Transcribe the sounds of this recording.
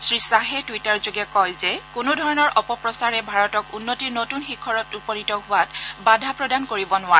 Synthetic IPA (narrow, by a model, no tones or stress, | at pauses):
sɹisaɦɛtwitaɹzoɡɛkɔjzɛkʊnʊdʱɔɹɔnɔɹʔɔpɔpɹɔsaɹɛbʱaɹɔtɔkunːotiɹnotunxikʰːɔɹɔtupɔnitɔɦʊwatbadʱapɹɔdankoɹibɔnʊwa